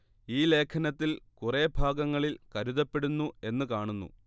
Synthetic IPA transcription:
iːle̞ːkʰɐnɐt̪ːilkure̞bʱaːɡɐŋːɐɭilkɐɾuðɐpːe̞ɽunːue̞nːɨkaːɳunːṵ

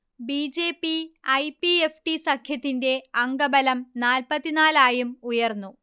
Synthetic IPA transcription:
biːd͡ʑe̞ːpːiɐjpiefʈisɐkʰjɐt̪ːinde̞ɐŋɡɐbɐlɐmnaːlpɐt̪ːinaːlaːjumujɐrnːu

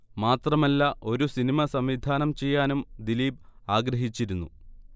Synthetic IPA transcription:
maːt̪rɐmɐlːɐʔo̞ɾusinimɐsɐmʋid̪ʱaːnɐmt͡ɕe̞jːaːnumd̪iliːb̚aːɡɾɐɦit͡ɕːiɾunːu

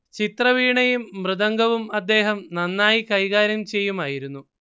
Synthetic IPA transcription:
t͡ɕit̪rɐʋiːɳɐjumːrɨðɐŋɡɐʋumɐd̪ːe̞ːɦɐmnɐnːaːjikɐjɣaːɾɐmt͡ɕe̞jːumaːjiɾunːu

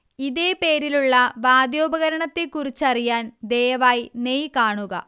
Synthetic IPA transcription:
iðe̞ːpe̞ːɾiluɭːɐʋaːd̪jo̞ːbɐɣɐɾɐɳɐt̪ːikurit͡ɕːɐrijaːnd̪ejɐʋaːjnejkaːɳuɣɐ̰

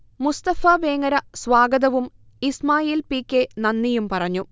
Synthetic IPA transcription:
must̪ɐfɐʋeːŋɐɾɐsʋaːɡɐðɐʋum | ismaːjiːlpiːkːenɐnːijumpɐrɐɲːu

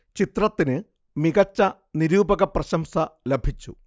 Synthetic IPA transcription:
t͡ɕit̪rɐt̪ːinɨ | miɣɐt͡ɕːɐ | niɾuːbɐɣɐprɐɕɐmsɐlebʱit͡ɕːu

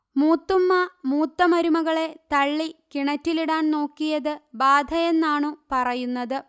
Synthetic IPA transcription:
muːt̪ːumːɐmuːt̪ːɐmɐɾumɐɣɐɭe̞t̪ɐɭːikiɳɐtːiliɽaːnno̞ːkːijɐðɨbaːd̪ʱɐjenːaːɳɨpɐrɐjunːɐðɨ

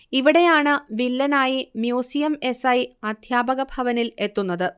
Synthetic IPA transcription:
iʋiɽe̞jaːɳɨʋilːɐnaːjimjuːsijɐme̞sɐjɐd̪ʱjaːbɐɣɐbʱɐʋɐnile̞t̪ːunːɐðɨ

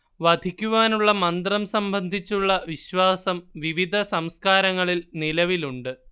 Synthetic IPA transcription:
ʋɐd̪ʱikʲːuʋaːnuɭːɐmɐnd̪rɐmsɐmbʱɐnd̪ʱit͡ɕːuɭːɐʋiɕʋaːsɐmʋiʋid̪ʱɐsɐmskaːɾɐŋːɐɭilnilɐʋiluɳɖɨ

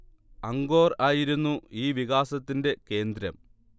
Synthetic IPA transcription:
ɐŋɡo̞ːraːjiɾunːuiːʋiɣaːsɐt̪ːinde̞ke̞ːnd̪ɾɐm

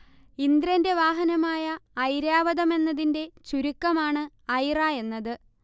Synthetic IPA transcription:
ind̪ɾɐnde̞ʋaːɦɐnɐmaːjɐːjɾjaːʋɐðɐme̞nːɐðinde̞t͡ɕuɾukːɐmaːɳɨ | ɐjraːe̞nːɐðɨ

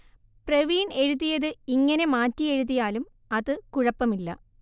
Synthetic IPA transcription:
preʋiːɳɖe̞ɻuðːijɐðɨiŋːɐne̞maːtːie̞ɻuðːijaːlum | ɐðɨkuɻɐpːɐmilːɐ̰

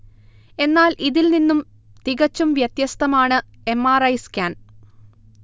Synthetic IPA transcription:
e̞nːaːlʔiðilninːum | t̪iɣɐt͡ɕːumʋjɐt̪jɐst̪ɐmaːɳɨ | e̞mːaːrɐjskʲaːn

